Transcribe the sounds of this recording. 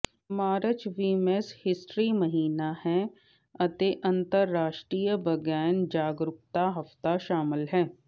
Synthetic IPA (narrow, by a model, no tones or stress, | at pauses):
maːɾət͡ʃʋiːmeshɪsʈɾiməɦiːnahɛː | ɐt̪eʔɐ̃nt̪əɾːaːʃʈɾiːjəbəɡɛːnd͡ʒaːɡɾʊk̚t̪aɦɐft̪aʃaːmɪlɦɛː